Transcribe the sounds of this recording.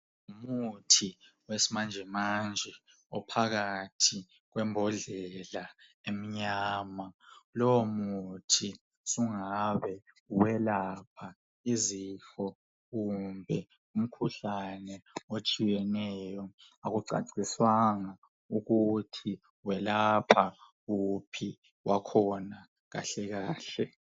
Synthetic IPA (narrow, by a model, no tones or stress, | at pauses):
umutʰi | wesimand͡ʒʱɛmand͡ʒʱɛ | ɔpʰaɣatʰi | ɣwɛmbʱɔɮɛla | emiɲaːmalɔwomutʰi | suŋaβɛ | wɛlapʰa | izixɔ | ɣumbʱɛ | um̩kʰuɬanɛot͡ʃʼijɛnɛjɔ | aɣuǀa̰ǀiswaŋa | uɣutʰi | wɛlapʰa | ɣupʰi | wʔakʰɔna | ɣa̰ɬɛɣaːɬɛ